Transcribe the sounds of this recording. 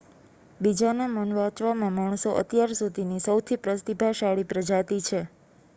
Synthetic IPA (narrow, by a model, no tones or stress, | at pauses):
bid͡ʒanamənʋãt͡ʃʋamãmaɳ̃soʔə̰t̪jaɾsud̪ʱinisəwt̪ʰipɾəst̪ibʱaʃaɭipɾəd͡ʒat̪it͡ʃʰe